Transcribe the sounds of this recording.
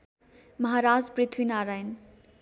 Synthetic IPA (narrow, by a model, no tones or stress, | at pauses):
mʌɦaɾad͡zprit̪ʰwinaɾajn